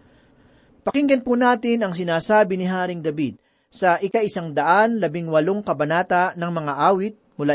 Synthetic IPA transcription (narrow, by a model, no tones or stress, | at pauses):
pɐkɪŋɡɐnpunaːt̪ɪnɐŋs̬ɪnaːsaːbɪnɪɦaːɾɪŋd̪ɐbid̪̚ | sɐʔɪkaʔɪsaŋd̪ɐʔanlɐbɪŋwɐloŋkɐbɐnaːt̪ɐnɐŋmɐŋaʔaːwɪt̪̚mʊlaː